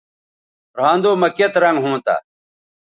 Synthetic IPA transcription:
ɾãːnd̪oːmɐket̪ɾɐŋɡɦũːt̪a̰

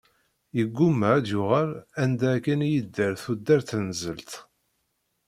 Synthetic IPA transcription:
jəɡʷːumːææd̪jʊʁælænd̪ækænjid̪ːəɾθud̪ːæɾθnəzəlt̪

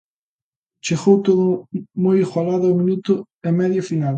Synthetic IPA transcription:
t͡ʃeɣowt̪oðʊmojiɣwalaðaomĩnut̪ʊ | emɛðjofinal

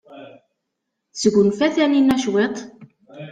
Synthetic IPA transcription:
səɡʷənfæθæninːæʃwet̪ˤ

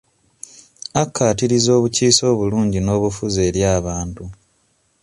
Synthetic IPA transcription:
akːaːtiɾizo̞ːβuciːso̞ːβuluːɲɟino̞ːβufuze̞ːɾjaːβaːntu

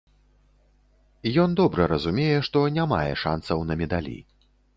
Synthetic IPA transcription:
jɔnd̪ɔbɾɐɾɐzumʲejɛʂt̪ɔnʲama̰jɛ̰ʂa̰nsɐwnɐmʲɛd̪alʲḭ

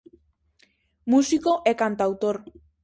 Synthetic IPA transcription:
musikoʔekant̪awt̪oɾ

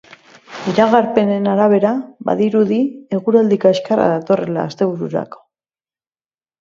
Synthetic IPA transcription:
iɾaɣaɾpe̞ne̞naɾaβ̞e̞ɾaba̰ðiɾuðie̞ɣ̞uɾald̪ikoeskara̰ðat̪o̞re̞la̰ːst̪e̞βuɾuɾa̰ko̥

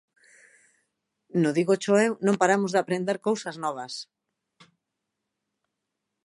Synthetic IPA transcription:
nʊðiɣot͡ʃoewnõmpaɾamʊzðɪapɾend̪eɾkowsɐznɔβ̞ɐs

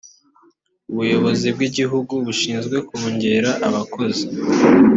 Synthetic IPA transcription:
uβujo̞βo̞zib̚ɡiɟiɦuɡuβuʃiːnzɡwe̞kuɲɟe̞ɾaʔaβako̞zi

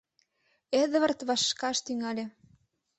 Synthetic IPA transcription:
eðβə̆rt̪βɑʃːkɑʃt̪yŋɑlʲĕ

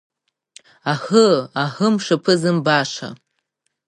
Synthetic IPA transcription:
ahəahɨmʂapʰɨzɨmbaʂa̰

